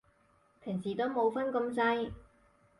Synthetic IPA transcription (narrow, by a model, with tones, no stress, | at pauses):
pʰɪ˨˩ŋsiː˨˩t̪o˥wmo˨˧wfɐ˥nkɐ˧msɐ˥j